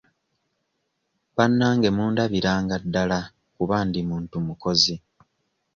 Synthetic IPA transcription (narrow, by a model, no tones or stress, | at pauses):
βanːaːŋɡe̞muːndaβiɾaːŋɡadːala | kuβaːndimuːntumuko̞zi